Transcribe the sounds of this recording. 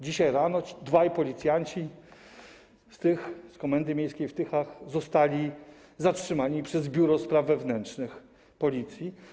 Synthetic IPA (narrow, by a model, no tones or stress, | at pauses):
d͡ʑiɕajɾanɔd̪vajpɔlʲit̪sʲjaɲt͡ɕi | st̪ɘxskɔmɛnd̪ɘmʲjejskʲejft̪ɘxaxzɔst̪alʲi | zatʂɘmaɲipʂɛzbʲjuɾɔspɾavːɛvnɛntʂnɘx | pɔlʲit̪sʲji